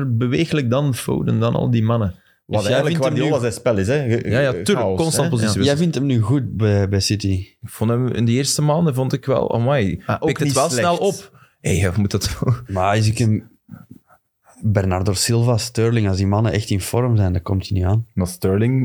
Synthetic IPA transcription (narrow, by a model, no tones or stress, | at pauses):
rbəʋeːɣələk̚dɑnfo̰wdə̰ndɑnʔɑ̰lˠdimɑnə | tjɛəɪnzɛspɛlɪsɛjaːjaykɔnsɑnpoziejɛvɪntəmnyːɣut̚bɛbɛjsɪtiɪkfɔntəmɪ̰ndəɪːrstəmaːndəvɔntɪkʋɛ̰lˠo̰mɛjaʔoɪkəʋɛlˠsnɛlˠɔp | ejɛmutdətolmaɪz̬ɪkən | bɛrnardosɪlˠvastøːɹlɪŋɑlˠzdimɑnəʔɛxtɪnfɔɾmzɛjndɑkɔmtiniaːnmastøɹlɪŋ